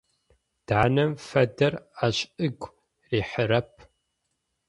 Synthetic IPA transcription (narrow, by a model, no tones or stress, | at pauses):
d̥ʕanɐmfɐdɐraɕɨɡʷ | riːħəɾɐp̚ʰ